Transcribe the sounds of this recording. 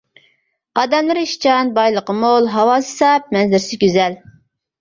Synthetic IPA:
ɑd̪ɛmlˠɨɾiʃt͡ʃʰɑnbɑjlˠəqəmolˠɦɑwɑːsɨ̥sɑp̚mɛnzɪɾsɪɡʲyzɛl

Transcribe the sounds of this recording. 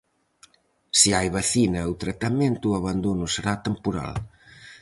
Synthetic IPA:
siajβaθinɐut̪ɾat̪amẽnt̪uaβand̪onʊseɾat̪empuɾa̰l

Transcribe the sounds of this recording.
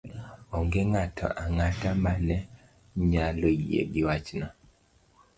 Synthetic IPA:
ɔŋɡeŋatʰɔ̰ʔaŋatamanɛ | ɲaloiḛɡɪwat͡ʃna

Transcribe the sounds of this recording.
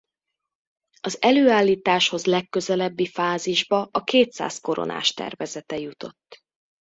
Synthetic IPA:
ɒzɛløːaːlːiːt̪aːʃho̞zlɛkːø̞zɛlɛbːifaːziʒbɒɒkeːt̪sa̰ːsko̞ɾo̰nʔa̰ːʃt̪ɛ̰rvɛzɛt̪ɛjut̪o̞̰t̪ː

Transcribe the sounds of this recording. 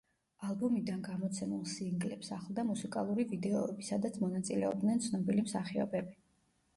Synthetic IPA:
alˠbumid̪anɡamɔt̪sʰɛmulˠsiŋɡlɛpsaχlˠd̪amusikʼa̰lˠuɾivid̪ɛɔɛbisad̪at̪sʰmɔnat̪sʼilɛɔb̚d̪nɛnt̪sʰnɔbilimsaχiɔ̰bɛbi

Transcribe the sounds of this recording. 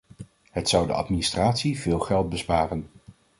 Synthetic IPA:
ɦətsʌwdə̰ɑ̰tministraːtsivɪːlˠχɛlˠt̚bəspaːrən

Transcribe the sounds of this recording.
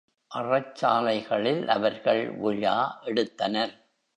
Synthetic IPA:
ʔɐrɐt͡ʃːaːlɐɪɣɐɭɪlʔɐʋɐɾɣɐɭʋʊɻa̰ːʔɛɽɯt̪ːɐnɐɾ

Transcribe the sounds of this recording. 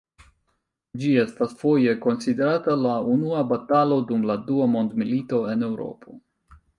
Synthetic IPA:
d͡ʒie̞stasfo̞je̞ko̞nside̞ɾatalaunuabatalo̞dumladuamo̞ndmilito̞e̞ne̞wɾo̞̰pʰo̞

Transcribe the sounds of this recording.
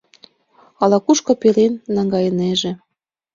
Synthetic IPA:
ɑlɑkuʃkŏpelenːɑŋɡɑjə̆neʒĕ

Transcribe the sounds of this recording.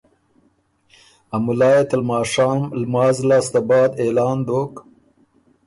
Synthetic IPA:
amulɑːjet̪almɑːʂɑːmlmɑːzlɑːst̪abɑːd̪elɑːnd̪oːk

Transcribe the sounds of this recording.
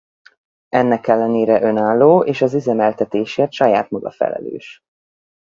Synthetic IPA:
ɛnːɛkɛlːɛneːɾɛʔø̞naːlːoːeːʃɒzizɛmɛlt̪ɛt̪eːʃeːrt̪ʃɒjaːt̪mɒɡɒ̰fɛ̰lɛ̰lø̰ːʃ

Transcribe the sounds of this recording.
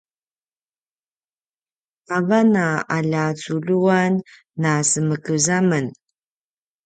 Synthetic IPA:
avanaaʎat͡suʎuanː | asəməkəzamən

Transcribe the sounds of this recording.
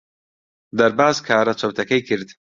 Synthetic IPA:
d̪ɐɾbaːzkʰaːɾɐt͡ʃʰɐwt̪ʰɐkɐjkʰɨɾd̪

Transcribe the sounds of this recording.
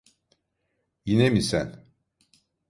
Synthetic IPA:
jinemisæn

